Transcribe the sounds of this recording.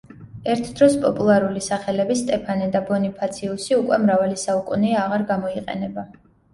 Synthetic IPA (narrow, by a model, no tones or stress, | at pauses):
ɛɾt̪ʰd̪ɾɔspʼɔpʼulˠaɾulisaχɛlɛbist̪ʼɛpʰanid̪abɔnipʰat̪sʰiusiukʼwɛmɾavalisaukʼuniaʁaɾɡamɔiqʼɛ̰nɛba